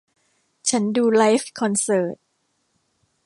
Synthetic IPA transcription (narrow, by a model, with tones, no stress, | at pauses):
t͡ɕʰa˦˥nduː˧la˦˥jfkʰɔ˧nsɤː˨˩t̪̚